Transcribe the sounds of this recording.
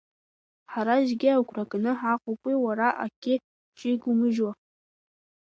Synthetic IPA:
ħaɾaʒɡʲɪawkʷʰrakʼnɨħaqʷʼʊpʷʼiwaɾaʔa̰kʲʰʼɪ | t͡ʃʼiɡʷumɨʒwa

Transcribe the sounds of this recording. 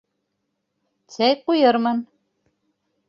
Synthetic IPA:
sæjqujɤɾmɤn

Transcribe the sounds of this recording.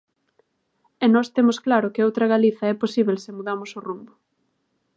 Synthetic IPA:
ɛnɔst̪emʊsklaɾʊkɪowt̪ɾɐɣaliθɐɛposiβelsɪmuðamʊsʊrumbʊ

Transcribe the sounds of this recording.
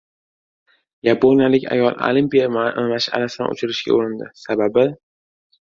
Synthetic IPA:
japʰonʲijalɪkʲʰa̰jɒlˠo̰limpʲijamaʃɪa̰lasɪd̪a̰nʔo̰t͡ʃʰɪɾɪʃɡʲa̰oɾɪnd̪ɪ̰sababɪ

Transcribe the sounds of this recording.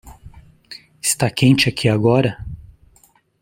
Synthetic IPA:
ɪst̪akẽnt͡ʃɪakʰiaɡɔɾɐ

